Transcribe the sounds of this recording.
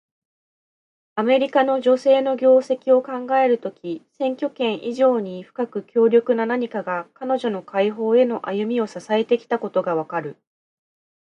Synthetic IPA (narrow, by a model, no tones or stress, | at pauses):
ame̞ɾʲikano̞ʑo̞se̞ːno̞ɡʲo̞ːse̞kʲio̞kãŋɡae̞ɾɯ̟t̪o̞kʲisẽ̞ŋkʲo̞kẽ̞ɰ̃ʔiʑo̞ːɲ̟iɸɯ̟̥kakɯ̟kʲo̞ːɾʲo̞kɯ̟nanaɲ̟ikaɡakano̞ʑo̞no̞kaiɦo̞ːe̞no̞ʔajɯ̟mʲio̞sasae̞t̪e̞kʲi̥t̪ako̞t̪o̞ɡaβakaɾɯ̟